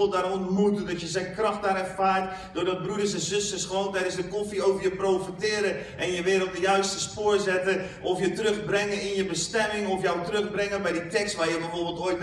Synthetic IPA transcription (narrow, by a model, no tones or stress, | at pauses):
lˠdaːɾɔntmutədɔtjəzɛjnkrɑxt̚baɾɛrfaːɹt | d̥ʊːɹdɔt̚brudərsɛ̃nzøstəsχʋoːntɛjdənszdəkofiowvəɹjəprowfitɪːɾə | ʔɛnjəʋɪːɾədəjœɥstəspʊːɹzɛtə | ʔɔfjətərøxbrɪŋənɪnjəbəstɛmɪŋɔfjɔwtrøxbrɪŋənbɛjditɛkstʋaːɹjəbɛfoːɹbɪlˠtojt̚